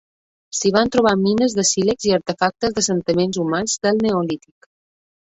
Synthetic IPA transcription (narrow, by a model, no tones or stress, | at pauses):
siβ̞ant̪ɾuβ̞aminəzðəsilekziəɾt̪əfak̚t̪əzðəsənt̪imenzumanzðəlˠneolit̪ik